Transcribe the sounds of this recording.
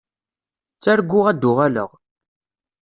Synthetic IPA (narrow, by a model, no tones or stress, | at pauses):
t͡sːæɾɡʷːʊʁæd̪ːʊʁalə̰ʁ